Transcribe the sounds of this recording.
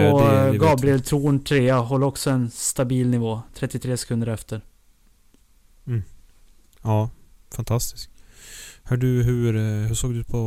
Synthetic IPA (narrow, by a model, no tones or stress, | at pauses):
ɔɡɑːbɾɪɛlt̪ʰɾuːnʈ̪ʰɾeːaɦɔlːɔksɔɛnst̪abiːlnɪvoːt̪ʰɾɛt̪ːɪt̪ʰɾeːsɛ̥kʰɵnd̪əɾɛft̪ʰəɾ | ɑːfant̪ʰast̪ɪ̥sk | hœːɖɵɦɵɾhɵʂoːɡd̪ɵpʰɔ